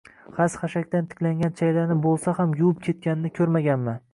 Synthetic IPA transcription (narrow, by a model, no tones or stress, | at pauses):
χasχaʃakʲt̪ant̪ʰɪ̥kʲlaŋɡʲant͡ʃʰajlaɾnɪbolˠsahamjuwʊp̚kʲʰe̞t̪̚kʲanɪnɪkʲʰɵɾmaɡʲanmɪ